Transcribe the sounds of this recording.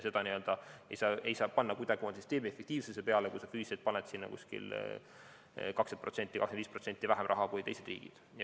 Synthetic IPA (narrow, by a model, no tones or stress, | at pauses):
se̞d̪ɑniø̞ld̪̥ɑḛjsɑːe̞jsɑːpɑnːɑkud̪ɑɡ̥ʲiomɑnsist̪e̞ːmiefːek̚t̪iːvsesepeɑlekujsɑfyːselt̪̚pɑnet̪sinːɑ̰kṵsʲkḭl | kɑkset̪pro̞t̪se̞nt̪ːˑikɑkseniːspro̞t̪se̞nt̪ːivæɦemrʔɑ̰ɦɑkujt̪e̞jse̞d̪rḭːɡ̥ḭd̪̥